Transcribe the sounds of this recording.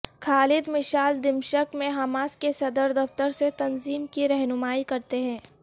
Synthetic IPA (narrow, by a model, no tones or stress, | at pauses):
xʰaːlɪd̪mɪʃaːld̪ɪmʃəkmẽɦaːmaːskesɐd̪əɾd̪ɐft̪əɾset̪ɐnziːmkiɾɛɦnʊmaːikɐɾt̪eɦɛ̃ː